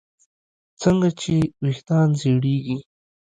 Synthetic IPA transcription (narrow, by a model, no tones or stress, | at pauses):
t͡səŋɡat͡ʃewiht̪ɑnzeɽeɡi